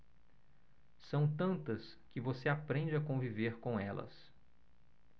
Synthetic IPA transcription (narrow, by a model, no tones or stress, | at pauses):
sɐ̃w̃t̪ɐ̃nt̪ɐs | kɪvoseapɾẽd͡ʒɪakõviveɾkõw̃ɛlɐ̰s